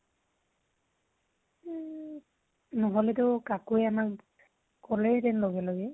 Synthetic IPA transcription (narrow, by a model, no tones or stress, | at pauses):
nɔɦɔlɛtʊkakujamak | kɔlɛtɛnloɡɛloɡɛ